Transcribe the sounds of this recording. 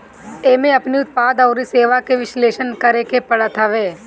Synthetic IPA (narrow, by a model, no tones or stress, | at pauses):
eːmẽɐpniʊt̪̚paːd̪ɔːɾiseːʋakeʋɪʃleːʃənkɐɾekepɐɽət̪ʰəʋeː